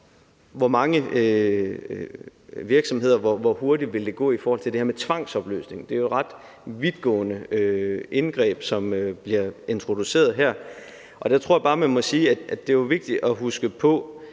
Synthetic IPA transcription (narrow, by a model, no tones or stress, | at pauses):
ʋɒmɑ̈ŋə | ʋiɐɡ̥sɒ̽me̝ð̰ˠɐʋɒʋɒho̝ɐdi̥ʋe̝ld̥e̝ɡ̥ɔ̰ːifɒːhɒ̽l̰t͡sʰed̥eheɐmet͡sʰʋɑ̈ŋ̰sɒ̽b̥lø̰ːsne̝ŋ̩d̥e̝joʁɑ̈d̥ | ʋiðˠɡ̥ɔ̰ːnəøenɡ̥ʁɛ̰ːb̥sɒ̽møb̥liɐe̝nt͡sʰʁo̝d̥use̝̰ːɐðˠɦæɐ̰ | ʔɒ̽d̥æt͡sʰʁo̝ɐ̰äb̥ɑ̈ːmænmɒ̽siːæd̥ʔæ̥d̥e̝ʋoʋe̝ɡ̥̚d̥i̥ɒɦusɡ̥əpʰɒ̽